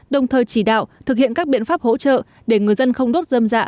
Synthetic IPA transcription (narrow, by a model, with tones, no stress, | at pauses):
ɗə˨˩wŋ͡mt̪ʰəː˨˩jt͡ɕi˧˩ɗa̰ː˧˨wt̪ʰɨ˨˩k̚hḭ˧˨ənkaː˦˥k̚ɓḭ˧˨ənfaː˦˥p̚ho̰˧˥t͡ɕə̰ː˧˨ | ɗe˧˩ŋɨ˨˩əjzə˧nxə˧wŋ͡mɗo˦˥t̚zəː˧mza̰ː˧˨